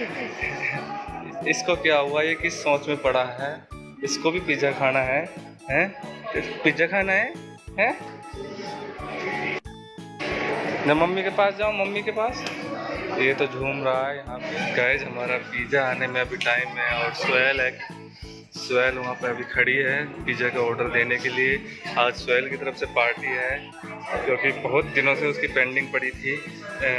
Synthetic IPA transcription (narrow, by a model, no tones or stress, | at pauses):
ɪskokjaɦʊajekisɔ̃ːt͡ʃmẽpɐɽaɦɛː | ɪskobʱipiːd͡ʒʱakʰaːnaɦɛː | ɦɛ̃ | piːd͡ʒakʰaːnaɦɛ | ɦɛ̃ː | mɛ̃ːmɐmːikepaːsd͡ʒaːũmɐmːikepaːst̪ojet̪od͡ʒʱuːmɾɐɦaɦɛjɐɦãpeɡaɪd͡ʒɦɐmaːɾapiːd͡ʒaaːnemẽɐbʱiʈaːɪmɦɛ̃ɔːɾswɛːlɦɛːk | swɛːlʋɐɦãpɐɐbʱikʰɐɽiɦɛpiːd͡ʒakaɔːɾɖəɾd̪eːnekelie | aːd͡ʒswɛːlkit̪ɐɾəfsepaːɾʈiɦɛ | kjõːkibɐɦʊt̪̚d̪ɪnõseʊskipẽːɳɖɪ̃ŋɡ̚pɐɽit̪ʰi